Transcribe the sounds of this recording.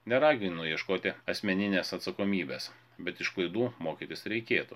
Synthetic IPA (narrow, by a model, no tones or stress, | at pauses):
nʲɛɾɑːɡʲɪnʊjiɛʃkoːt̪ʲɪɐsʲmʲɛnʲɪnʲeːsɐt̪sɐkoːmʲiːbʲeːs | bʲɛt̪ɪʃklˠɐɪd̪uːmoːkʲit̪ʲɪsɾʲɛɪkʲeːt̪ṵː